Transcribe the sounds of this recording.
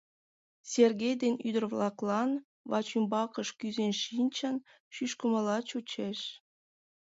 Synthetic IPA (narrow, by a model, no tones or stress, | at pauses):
serɣejd̪enyd̪ərβlɑklɑn | βɑ̰t͡ɕymbɑkəʃkyzenʃinʲt͡ɕən | ʃyʃkəməlɑt͡ɕut͡ɕeʃ